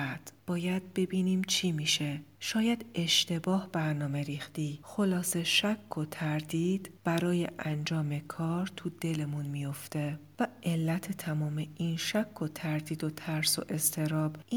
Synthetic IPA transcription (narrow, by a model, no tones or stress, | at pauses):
æd̪̥b̥ɒːjæd̪̥̚be̞biːniːmt͡ʃʰiːmiːʃe̞ʃɒːjæd̪e̞ʃt̪e̞bɒːhb̥æɾnɒːme̞ɾiːxt̪iːxo̞lɒːse̞ʃækʰːot̪ʰæɾd̪iːd̪̥b̥æɾɒːje̞̰ʔænd͡ʒɒːme̞kʰɒːɾt̪ʰud̪e̞le̞munmijo̞ft̪e̞væʔe̞lːæt̪ʰet̪ʰæmɒːme̞iːnʃækʰːot̪ʰæɾd̪iːd̪o̞t̪ʰæɾso̰ʔe̞st̪ʰe̞ɾɒːb̥ʔiː